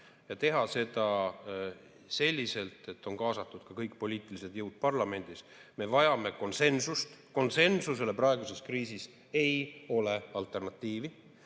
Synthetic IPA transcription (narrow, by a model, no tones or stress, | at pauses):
jɑt̪e̞ɦɑse̞d̪ɑ | se̞lʲːise̞lt̪ˑe̞t̪ːo̞nkɑːsɑt̪ˑːud̪̥kɑkɤjkpo̞lʲiːt̪ˑilise̞d̪jɤwd̪̥̚pɑrlɑme̞nd̪̥is | me̞vɑjɑme̞ko̞nse̞nsust̪ko̞nse̞nsuse̞le̞prɑeɡ̥use̞skriːsis | e̞jo̞le̞ɑlt̪ˑe̞rnɑt̪ˑːiːvi